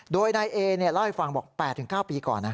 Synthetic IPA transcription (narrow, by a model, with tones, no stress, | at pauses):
doː˧jna˧jʔeː˧ni˥˩laː˦˥˩ha˨˦˩jfa˧ŋbɔː˨˩k̚pɛː˨˩t̪ʰːɯ˩˦ŋkaː˥˩wpiː˧kɔ̰ː˨˩nːa˦˥